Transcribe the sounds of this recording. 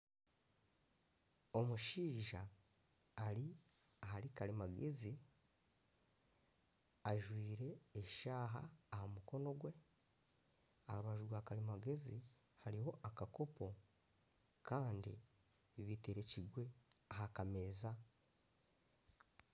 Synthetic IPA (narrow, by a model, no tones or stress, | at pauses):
o̞muʃiːʒaː | ɾi | ahaɾikalimaɡezi | aʒwiːɾe̞ːʃaːɦa̰ːhomuko̞no̞ɡwe̞ | a̰ɾuβaʒuɡwaːkalimaɡe̞zi | haɾiho̞ʔakakopo̞ | kaːndi | iβiteɾeciɡwe̞ahakameːza